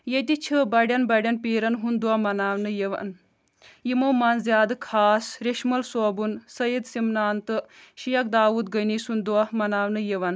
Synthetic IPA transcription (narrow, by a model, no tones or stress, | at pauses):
jet̪it͡ʃʰɨbɐɽʲjɐnbɐɖʲjɐnpiːɾɐnɦund̪uɐmɐnaːʋnɨjeʋɐ̰n | jimowmɐnzjaːd̪ɨkʰaːsɾeʃmɐlsoːbunsɐjid̪simnaːnt̪ɨʃijɐk̚d̪aːʋuːd̪ɡəjnisund̪uɐmɐnaːʋnɨjiʋɐn